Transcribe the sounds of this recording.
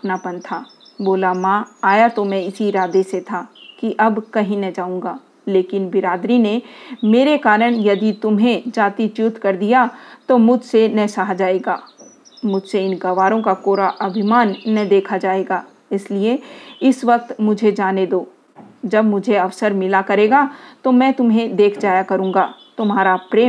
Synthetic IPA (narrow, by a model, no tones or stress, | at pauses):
ɐpnapɐ̃nt̪ʰaː | boːlamãːaːjat̪omɛ̃ɪsiɾaːd̪eset̪ʰaːkiʔɐbkɐɦĩnɐd͡ʒaːũːŋɡaː | leːkɪnbɪɾaːd̪ɾinemeːɾekaːɾəɽ̃jɐd̪it̪ʊmɦẽd͡ʒaːt̪it͡ʃjʊt̪kɐɾd̪ijat̪omʊd͡ʒʱsenɐsaɦad͡ʒaːeːɡaː | mʊd͡ʒʱseɪnɡɐʋaːɾõkakoːɾaʔɐbʱɪmaːnːɐd̪eːkʰad͡ʒaːeːɡaː | ɪslieɪsʋɐk̚t̪mʊd͡ʒʱed͡ʒaːned̪oː | d͡ʒɐbmʊd͡ʒʱeɐʋsəɾmɪlakɐɾeːɡat̪omɛ̃ːt̪ʊmɦẽd̪eːkʰd͡ʒaːjakɐɾũːŋɡaːt̪ʊmɦaːɾapɾeː